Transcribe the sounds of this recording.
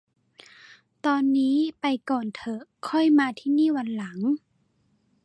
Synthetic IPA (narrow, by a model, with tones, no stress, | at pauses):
t̪ɔː˧nːiː˦˥pa˧jkɔː˨˩nt̪ʰɤ˧˩kʰɔ˥˩˨jmaː˧t̪ʰiː˥˩˨niː˥˩˨wa˧nla˩˦ŋ